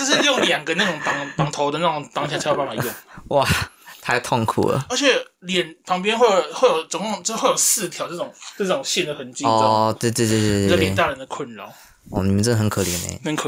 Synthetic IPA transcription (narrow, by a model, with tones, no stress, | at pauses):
t͡ɕə˥˧ʂ̬ɻ̩˥˧jʊ˥˩ŋljɑ˨˩ŋɡə˦na˥˩ʈ͡ʂʊ˨˩ŋt̪ɑ˨˩˦ŋt̪ɑ˨˩ŋt̪ʰo˧˥ʊd̪ə˧na˥˩˨ŋt̪ɑ˥ŋɕja˥˩˧a˧˥jba˥˩fa˨˩jʊ˥˩ŋwa˥˨˩t̪ʰa˥˧ɪt̪ʰʊ˥˩ŋkʰṵ˨˩lə̰˩ə˞˧˥t͡ɕʰjɛ˨˩˦ljɛ˨˩npʰɑ˧˥ŋp̬jɛ˥nxwe˥˩xwe˥˩jo˨˩ʊt͡sŋkʰŋ˥˧xwe˥˩jo˨˩ʊsɹ̩˥˧t̪ʰjɑ˨˧˦ʊʈ͡ʂɤ˥˩ʊ˨˩˦ŋə˥˧˩ʈ͡ʂʊ˨˩ŋɕjɛ˥˩nd̪ə˩xə˧˦nt͡ɕi˧ɔ˥t̪we˥˧t̪we˥˧t̪̬we˥˧t̪we˥˧˥lje˨˥˩t̪a˥˩ɻə˧˦nd̪ə˨kʰwə˥˩nlɑ˨˦ | ɔ˥˩ni˨˩mə˦nʈ͡ʂə˥d̪ə˨xə˧˦nkʰɤ˨˩ljɛ˧˦nḛ˧˦xə˧˥nkʰ